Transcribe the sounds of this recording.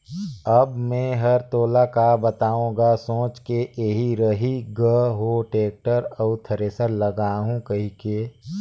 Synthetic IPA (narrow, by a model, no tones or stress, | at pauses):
əbmɛ̃ːɦɐɾt̪oːlakabət̪aːũːɡasõːt͡ʃkeʔeɦiɾəɦiɡəɦoʈeːk̚ʈəɾɔːt̪ʰɐɾeːsəɾləɡaːɦũkɐɦikeː